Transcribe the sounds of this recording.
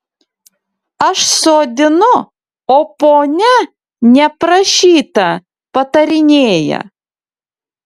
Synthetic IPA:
ɐʃsoːd̪ʲɪnʊ | oːpoːnʲɛ | nʲɛpɾɐʃʲiːt̪ɐ | pɐt̪ɐɾʲɪnʲeːjɛ̰

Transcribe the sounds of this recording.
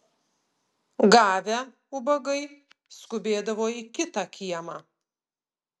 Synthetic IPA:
ɡɑːʋʲæ | ʊbɐɡɐɪ | skʊbʲeːd̪ɐʋoːikʲɪt̪ɑkʲiɛmɑː

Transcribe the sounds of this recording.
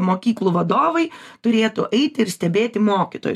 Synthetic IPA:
moːkʲiːklˠuʋɐd̪oːʋɐɪt̪ʊɾʲeːt̪ʊʔɛɪt̪ʲɪɪɾsʲt̪ʲɛbʲeːt̪ʲɪmoːkʲit̪o̰ːjʊ

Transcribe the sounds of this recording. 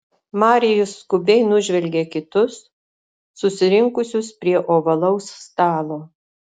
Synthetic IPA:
mɑːɾʲɪjʊsːkʊbʲɛɪnʊʒʲʋʲɛlʲɡʲeːkʲɪt̪ʊsː | ʊsʲɪɾʲɪŋkʊsʲʊspʲɾʲiɛʔoːʋɐlˠɒʊsst̪ɑːlˠoː

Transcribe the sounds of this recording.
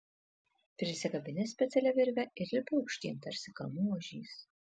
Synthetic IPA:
pʲɾʲɪsʲɪɡɐbʲɪnʲɪsʲpʲɛt̪sʲɛlʲɛʋʲɪɾʲʋʲɛɪɾlʲɪpoʊkʃʲt̪ʲḭːmt̪ɐɾʲsʲɪkɐlˠmuɔʒʲiːs

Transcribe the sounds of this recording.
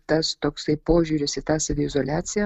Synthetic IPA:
t̪ɐst̪oːksɐɪpoːʒʲuːɾʲɪsɪt̪ɑːsɐʋʲɪɪzoːlʲæːt̪sʲɪjɛ

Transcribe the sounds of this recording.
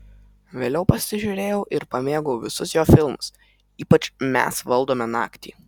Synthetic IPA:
ʋʲeːlʲɛʊpɐsʲɪʒʲuɾʲeːjɛʊʔɪɾpɐmʲeːɡɔʊʋʲɪsʊsjoːfʲɪlˠmʊs | iːpɐt͡ʃmʲæ̰sʋɐlˠd̪oːmʲɛnɑ̰ːkt̪ʲḭː

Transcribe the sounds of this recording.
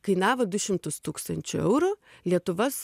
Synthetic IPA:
kɐɪnɑːʋoːd̪ʊʃʲɪmt̪ʊst̪uːkst̪ɐnʲt͡ʃʲʊɛʊɾʊ | lʲiɛt̪ʊʋɐs

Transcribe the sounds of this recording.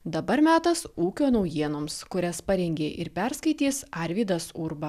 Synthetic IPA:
d̪ɐbɐɾmʲæːt̪ɐsuːkʲoːnɒʊjiɛnoːmskʊɾʲɛspɐɾʲɛŋʲɡʲeːʔɪɾpʲæɾskɐɪt̪ʲiːsɑɾʲʋʲiːd̪ɐsʊɾbɐ

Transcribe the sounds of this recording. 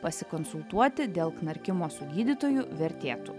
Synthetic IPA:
pɐsʲɪkɔnsʊlˠt̪uɔt̪ʲɪd̪ʲeːlˠknɐɾʲkʲɪmoːsʊɡʲiːd̪ʲɪt̪oːjʊʋʲɛɾʲt̪ʲeːt̪ṵː

